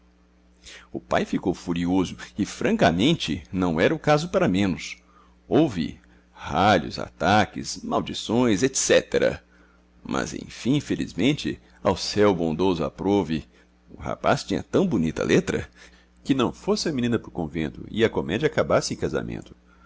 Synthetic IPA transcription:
ʊpajfikowfuɾiozʊɪfɾɐ̃kɐmẽnt͡ʃɪnɐ̃w̃ɛɾɐʊkazʊpaɾɐmẽnʊs | owvɪ̰ | haʎʊ̰za̰t̪akɪsmawd͡ʒisõj̃zet̪sɛt̪eɾɐ̰ | mʔɐ̰zḛ̃j̃fĩĩfelḭzmẽnt͡ʃɪ | awsɛwbõnd̪ozʊa̰pɾovɪ | ʊha̰past͡ʃĩɲɐ̰t̪ɐ̃w̃bʊnit̪ɐ̰lʔet̪ɾɐ̰ | kɪnɐ̃w̃fosɪɐmĩnĩnɐpʊɾkõvḛ̃nt̪ʊ̰ɪɐkomɛd͡ʒɐakabasɪẽkaza̰mʔḛ̃nt̪ʊ̥

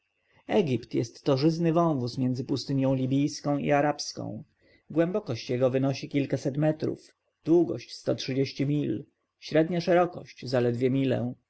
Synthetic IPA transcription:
ɛɡʲipt̪jɛ̰st̪ːɔʐɘznɘvɔ̃w̃vusmʲjɛnd̪zɘpust̪ɘɲʲjɔ̃w̃lʲibʲijskɔ̃w̃ḭaɾapskɔ̰̃w̃ | ɡwɛmbɔkɔɕt͡ɕjɛɡɔvɘnɔɕikʲilkasɛt̪mɛt̪ɾṵf | d̪̥wuɡɔ̰ɕt͡ɕst̪ɔtʂɘd͡ʑeɕt͡ɕimʲil | ɕɾɛd̪ɲaʂɛɾɔkɔ̰ɕt͡ɕzalɛd̪vʲjɛmʲilɛ̰̃

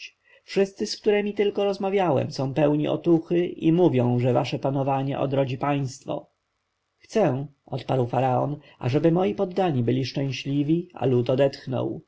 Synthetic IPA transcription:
fʂɘst̪sɘskt̪uɾɛmʲit̪ɘlkɔɾɔzmavʲjawɛ̰msɔ̃w̃pɛwɲiʔɔ̰t̪uxɘʔimuvʲjɔ̃w̃ʐɛva̰ʂɛpanɔvaɲɛ̰ʔɔ̰d̪ɾɔd͡ʑipaj̃st̪fɔ̰ | xt̪sɛ̃ɔt̪paɾwfaɾaɔn | a̰ʐɛbɘmɔjipɔd̪ːaɲibɘlʲiʂt͡ʂɛ̃ɕlʲivʲia̰lut̪ɔd̪ɛt̪xnɔ̰w

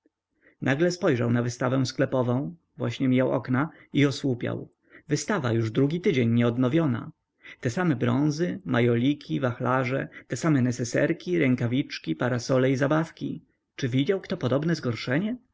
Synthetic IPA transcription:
naɡlɛspɔjʐawnavɘst̪avɛw̃sklɛpɔvɔ̃w̃ | vwaɕɲɛmʲijawʔɔ̰knaiɔswupʲja̰w | vɘst̪ava̰juʐd̪ɾuɡʲit̪ɘd͡ʑeɲːɲɛɔd̪nɔvʲjɔna̰ | t̪ɛsamɛbɾɔ̰̃w̃zɘmajɔlʲikʲʰivaxlaʐɛ̰t̪ɛsamɛnɛsɛsɛ̰ɾkʲiɾɛŋkavʲit͡ʂkʲipaɾasɔlɛizabafkʲḭ | t͡ʂɘvʲid͡ʑawkt̪ɔpɔd̪ɔbnɛzɡɔɾʂɛɲɛ

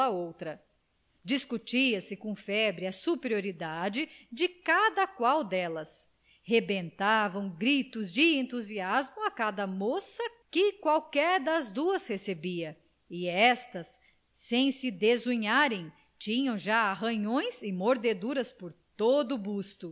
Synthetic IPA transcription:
ɐowt̪ɾɐ | d͡ʒiskut͡ʃiɐsɪkõfɛbɾɪɐsupeɾioɾid̪ad͡ʒɪd͡ʒɪkad̪ɐkwawd̪ɛlɐs | hebẽnt̪avɐ̃w̃ɡɾit̪ʊzd͡ʒɪẽnt̪uziazmʊakad̪ɐmosɐkɪkwawkɛɾd̪ɐzd̪uɐshesebiɐ | ɪɛst̪ɐsː | ẽj̃sɪd̪ezuɲaɾẽj̃ | t͡ʃĩɲɐ̃w̃ʒaaɦɐ̃ɲõj̃zɪmoɾd̪ed̪uɾɐspoɾt̪od̪ʊbust̪ʊ

